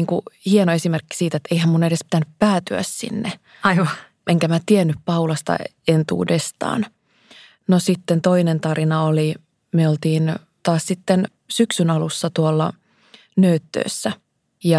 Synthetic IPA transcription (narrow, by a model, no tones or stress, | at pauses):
iːŋkuhienoe̞simerkːi̥siːt̪et̪ːeihæmmunedespi̥t̪ænyppæːt̪yæ̰ssḭnːe | ɑiʋɑ | ʔeŋkæmæt̪ienːyppɑulɑst̪ɑ̰ | ent̪ṵːdest̪ɑ̰ːn | nosit̪ːent̪oinent̪ɑɾinɑoli | myeolt̪iːn | t̪ɑːssit̪ːen | syksynɑlusːɑt̪uolːɑ̰ | nøːt̪ːø̰ːsːæ | jɑ